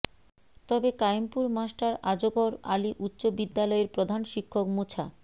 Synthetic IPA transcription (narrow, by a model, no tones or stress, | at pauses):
t̪ɔbekajmpuɾmasʈaɾad͡ʑokoɾaliʔutːɕobid̪ːalɔeɾpɾod̪ʱanʃikʰːokmut͡ɕʰa̰